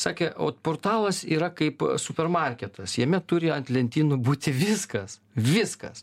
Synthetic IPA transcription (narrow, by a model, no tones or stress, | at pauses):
sɑːkʲɛo̰ːt̪poːrt̪ɑːlˠɐsiːɾɐkɐɪpsʊpʲɛrmɐrʲkʲɛt̪ɐsjɛmʲɛt̪ʊɾʲɪɐnt̪ʲlʲɛnʲt̪ʲiːnʊbuːt̪ʲɪʋʲɪskɐs | ʋʲɪskɐ̰s